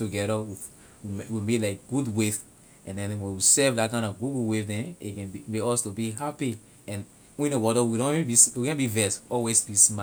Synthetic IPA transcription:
tuɡɛɾəwi | wiwimelaɪkɡ̥udweθ | ɛ̃ndɛ̃nwɛ̃nwisɛvdatkãɪ̃nɔvɡuɡuweθdɛ̃nekɛ̃nbimekɔstubiɦapi | ɛ̃n | wĩnowɔdəwidõnebiswiɡɛ̃nbivɛsɔlwesbisma

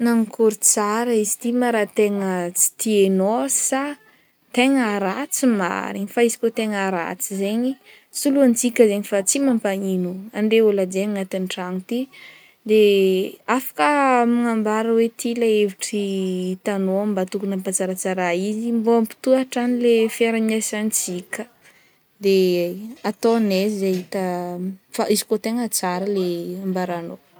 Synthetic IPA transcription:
naŋikʰuɾut͡saɾaizi̥t̪imaɾat̪eŋət͡si̥t̪ienosi̥sa | t̪eŋəɾat͡sima̰ɾiŋifaizi̥kot̪eŋaɾa̰t͡sizeɲi | suluant͡sikʲəzeɲifat͡simampaŋinuaɳɖ͡ʐeolad͡ʒeŋat̪inʈ͡ʂaŋut̪i | d̪eafḁkəmaŋambaɾəwet̪ʰilaeviʈ͡ʂit̪anombat̪ukunəmpat͡saɾat͡saɾaizimboampi̥t̪uaʈ͡ʂanilefeɾamesant͡sikʲə | d̪eat̪onezzaɦit̪əfa̰izi̥kot̪eŋat͡saɾəleambaɾano

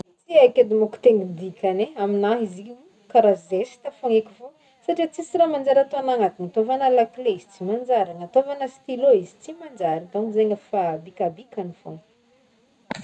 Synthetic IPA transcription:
t͡siakʲed̪umoku̥t̪eŋid̪ikʲʰaneaminaɦiziu | kaɾazesi̥t̪afoŋekʲi̥vo | saʈ͡ʂit͡sisiɾamand͡ʒaɾat̪oanaŋat̪iŋat̪ovanəlaklezi̥t͡simand͡ʒaɾaŋat̪ovanəsi̥t̪iloizi̥t͡simand͡ʒaɾit̪anizeɲəfabikabikanifoŋ

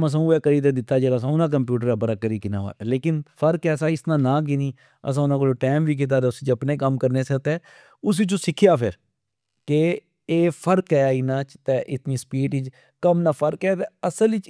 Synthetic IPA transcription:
məs̬ãːɛːkəɾiːt̪̬eːd̪ɪt̪ːaːd͡ʒeːlaːs̬ãːʊnãːk̬əmpjuːʈəɾɛːbəɾaːkəɾiːkɪna̰ːʋa̰ːleːkɪnpʰəɾkɛːsãːɪsnãːnãːk̬ɪniː | ə̰s̬ãːʊnãkod͡ʒoːʈɛːmʋiːk̬ɪt̪̬aːt̪ɛːʊsiːt͡ʃəpneːkəmkəɾneːsət̪ɛː | ʊs̬iːt͡ʃõːsɪkʰːɪjaːpʰɪɾ | ke | eːpʰəɾkɛːaːiːnãːt͡ʃt̪eːʔɪt̪niːspiːʈɪd͡ʒ | kəmnaːpʰəɾkɛːt̪eːəsəlit͡ʃ

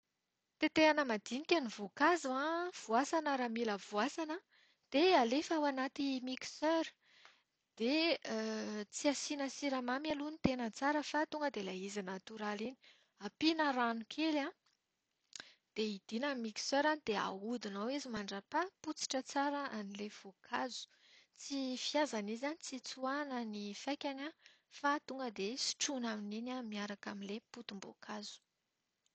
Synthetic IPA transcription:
t̪et̪eanəmad̪inikʲanivokazuãv̥uasanəɾamiləvuasanə | d̪̥ealefawanat̪imiksøɾ | d̪̥e | t͡siasinəsiɾamamjalunit̪enət͡saɾəfat̪uŋɡəd̪elaizinat̪uɾalini̥ | apinəɾanukʰela | d̪̥eid̪̥inamiksøɾanid̪ea̰ud̪inawizimaɳɖ͡ʐapaput͡si̥ʈ͡ʂət͡saɾəʔanilev̥okʰazu̥ | t͡sifiazanizanit͡sit͡suanənifajkʲana | fat̪uŋɡəd̪esi̥ʈ͡ʂunamininamiaɾakaminleput̪umbo̰kʰazu̥

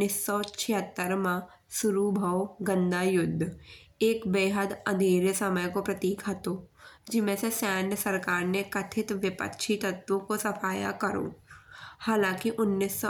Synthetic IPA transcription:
ɪsːɔt͡ʃʰɪɦət̪ːəɾmã | sʊɾubʱəwɡə̃nd̪ʱajʊd̪ʱːeːkbeːɦəd̪ɐd̪ʱeːɾesɐməjkopɾɐt̪iːkʰɐt̪od͡ʒɪmːẽsesaːnjəsɐɾkaːɾnekɐt̪ʰɪt̪ʋɪpə̰kʃʰit̪ɐt̪ːwõkosɐpʰaːja̰kɐɾõ̰ːhaːlãːkiʔʊnːisːɔ

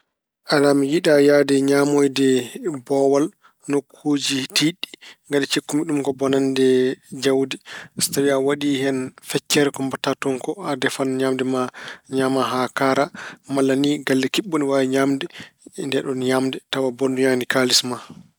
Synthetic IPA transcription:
ʔalamijiɗajadɛɲamojdɛbɔwal | nokʰːod͡ʒitiɗːi̥ŋɡadɛt͡ʃekːumiɗumkɔbɔnandɛd͡ʒawdɛsi̥tawiawaɗihɛnfɛt͡ʃːɛɾɛkɔmbatatɔnkɔadɛfanɲamdɛmaɲamaɦakaɾamalːaniɡalːɛkiɓːɔniwawɛɲamdɛndɛɗɔnɲamdɛtawabɔnduɲanikalisma

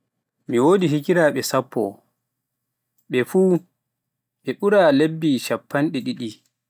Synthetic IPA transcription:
miwoːdiɦikiɾaɓɛsapːɔ̰ | ɓɛfuː | ɓɛɓuɾalebːiʃapːanɗɛɗiɗi

